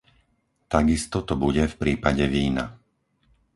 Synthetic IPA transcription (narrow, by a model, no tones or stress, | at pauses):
t̪aɡist̪ɔt̪ɔbuɟɛfpɾiːpaɟɛʋiːna̰